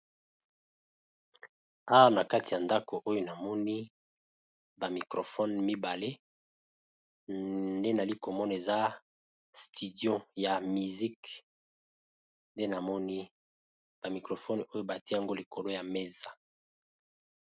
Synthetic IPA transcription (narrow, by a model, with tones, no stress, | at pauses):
a˦wa˦na˨ka˦ti˨ja˨nda˦ko˨ʔo˦jo˦na˨mɔ˦ni˦ | ba˨mi˨kʁo˨fɔ˦nmi˦ba˨le˦ | nde˦na˨li˦ko˨mɔ˦n˨e˨za˦ | sti˨djɔ̃˦ja˨mi˨zi˦k | nde˦na˨mɔ˦ni˦ | b̥a˨mi˨kʁo˨fɔ˦no˦jo˦ba˨te˦a˦ŋɡo˦li˨ko˨lo˦ja˨me˦za˨